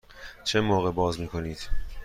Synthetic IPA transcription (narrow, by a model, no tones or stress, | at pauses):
t͡ʃʰemoːɣebɒːzmiːkʰo̞niːd̪̥